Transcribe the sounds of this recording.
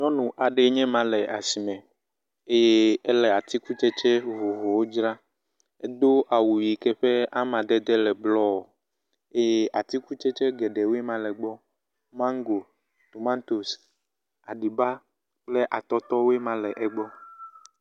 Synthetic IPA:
ɲɔ̃˦nũ˨ʔa˨ɖe˨˦ɲɛ̃˦mã˨lɛ˨ʔa˨si˨mɛ̃˨ | e˦je˦ɛ˦lɛ˨a˨t̪i˦ku˦t͡ʃɛ˦t͡ʃɛ˦vo˨ɦo˨wo˦d͡ʒɾa˦ | ɛ˦d̪o˦ʔa˨wu˨ji˨kɛ˦ɸɛ˦a˦mã˨d̪ɛ˦d̪ɛ˦lɛ˨blɔ˦wo˨ | e˦je˦ʔa˨t̪i˦ku˦t͡ʃɛ˦t͡ʃɛ˦ɡɛ˨ɖɛ˨we˦mã˨lɛ˨ɡ͡bɔ˦ | mã˦ŋ˦ɡo˨ | t̪o˨mã˦nt̪o˨s | a˨ɖi˨ba˦ | k͡plɛ˦ʔa˨t̪ɔ˦t̪ɔ˦we˦mã˨lɛ˨ʔɛ˦ɡ͡bɔ˦

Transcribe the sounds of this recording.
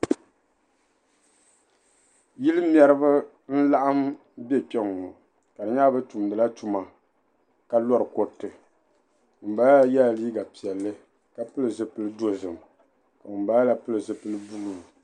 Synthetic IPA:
ji˦lɨ˦m˦ɛ˦ɾɨ˦bɨ˦ | n̩˦la˦ʔa˦m | bɛ˦pɛ˦ŋ˨o˨ | ka˨dɨ˨ɲa˦bɨ˦tu˨mdɨ˨la˦tu˦ma˨ | ka˦lɔ˦ɾɨ˨ko˦tːɨ˨ | m̩˨baː˦jɛ˦˨liː˦ɡa˨pi˨ɛ˨lːɨ˦ | ka˨pɨ˦lɨ˨zɨ˨pɨ˦lɨ˦do˦zɨ˨m˨ | ka˨m̩˨ba˨˦la˦pɨ˦lɨ˨zɨ˨pɨ˦lɨ˦bu˦lu˦˨m˨

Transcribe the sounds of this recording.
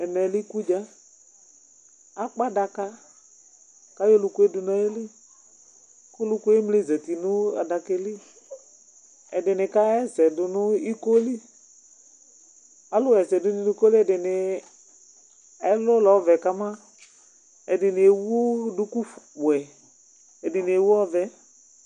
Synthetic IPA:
ɛ˨nɛ˨lɪ˦ku˦d͡ʒa˦ | a˦k͡pa˦da˧ka˦ | ka˨˦jo˦lʊ˧kʊ˦e˦dʊ˧na˨je˦lɪ˦ | kʊ˦lʊ˦ko˦e˦mle˦˨zɛ˨ti˨nʊ˦a̰˨da˧kɪ˧lɪ˦ | ɛ̰˨dɪ˨nɪ˨ka˦ɛ˦zɛ˨dʊ˨nʊ˦i˦ko˦li˦ | a˨lʊ˦wɛ˨sɛ˨dʊ˨˦nɪ˨li˦ko˦lɪ˦ɛ˨dɪ˨nɪ˨ | ɛ˦lʊ˦lɔ˨˦vɛ˨ka˨ma˦ | ɛ˨dɪ˨nɪ˨e˨wu˦dʊ˧ku˦wɛ˨ | ɛ˨dɪ˨n˨e˨wu˦ɔ˦vɛ˨

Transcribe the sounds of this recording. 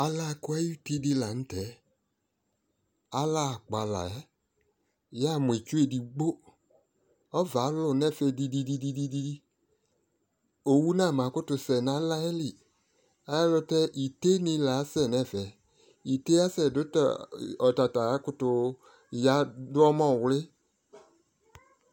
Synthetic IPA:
a˨la˦˨kʊ˦ɛ˦ju˦ti˦di˧la˨n̩˦tɛ˨ | a˦la˦˨k͡pa˨la̰˨ɛ˦˨ | ja˦˨m˨e˨t͡ʃu˦e˦di˨ɡ͡bo˦ | ɔ˦va˨˦lʊ˨nɛ˦˨fɛ˨di˧di˧di˧di˦di˦di˦di˦ | o˨wu˦nã˦˨mã˨˦kʊ˦tʊ˧sɛ˨nã˨˦la˦ɛ˦lɪ˨ | a˨jɛ˦lʊ˧tɛ˦ʔi˨te˦nɪ̃˧˦la˨˦sɛ˦˨nɛ̃˦˨vɛ˨ | i˨te˦a˦sɛ˨dʊ˦tɔ˨ta˨ta˨˦kʊ˦tʊ˧˨ | ja˦dʊ˦ɔ˦mɔ̃˦˨wlɪ˦

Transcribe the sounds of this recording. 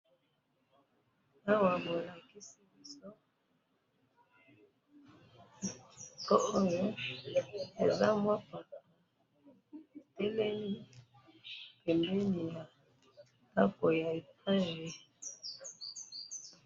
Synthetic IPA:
a˦wa˨bo˨la˨ki˦si˦bi˦so˦ | o˦o˦jo˦ | e˨za˦mwa˦pa˨ka˨˦ | e˨tɛ˦lɛ˦li˦ | pe˨mbɛ˦ni˨ja˨ | ta˦ko˨ja˨e˨pa˦e˨je˦

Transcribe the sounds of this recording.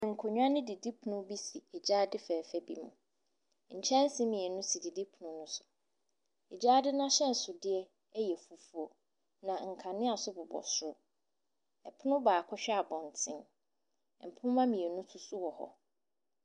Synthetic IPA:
ŋ̩˨kʰo˨ɲᶣ˦ã˦nɪ̃˦di˨di˦pʰʊ˨nʊ̃˦bi˦si˨ɛ˨d͡ʑaː˦dɪ˦fɛː˨fɛ˦bḭ˦mṵ̃˨ | ɲ̩˨t͡ɕʰɛ̃˦n̩˦sĩ˦mĩ˨ɛ˨nʊ̃˦si˨di˨di˦pʰʊ˨nʊ̃˦nʊ̃˦sʊ̥˨ | ɛ˨d͡ʑaː˦dɪ˦nã˦ɕɛ̃˦n̩˨sʊ˨dɪ˦ɛ˦ | ɛ˦jɛ˨fu˨fu˦o˨ | nã˨ŋ̩˨kʰã˨nɪ̃˦a˨sʊ˦bʊ˨bɔ̰˨sʊ˦ | ɛ˨pʰʊ˦nʊ̃˦baː˨kʰɔ˦ɕᶣɛ˦a˨bɔ̃˨n˨tʰɪ̃˦m˨ | m̩˨pʰʊ̃˦mã˦mĩ˨ɛ˨nũ˦tʰʊ˦sʊ˦wɔ˨hɔ̰˨

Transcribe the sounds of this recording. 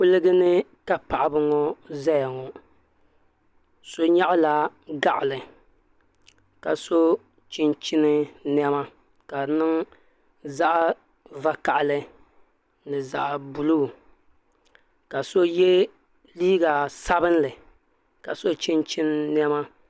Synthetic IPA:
pʊ˦lɨ˦ɡɨ˦nɨ˦ka˨pa˨ʔa˨bɨ˨˦ŋɔ˦za˦ja˨ŋɔ˨ | so˦ɲa˦ʔʊ˦la˨ɡa˨ʔlɨ˨ | ka˨so˦ | t͡ʃɪ˦nt͡ʃɪ˦nɨ˦n˦ɛ˦ma˦ | ka˨nɨ˦ŋ | za˦ʔ | va˦ka˨ʔɪ˨lɨ˦ | nɨ˨za̰˨ʔbu˨lu˦˨ | ka˨so˦je˦ | liː˦ɡa˨sa˦bɨ˦n˦lɨ˨ | ka˨so˦t͡ʃi˦nt͡ʃi˦n˦n˦ɛ˦ma˦

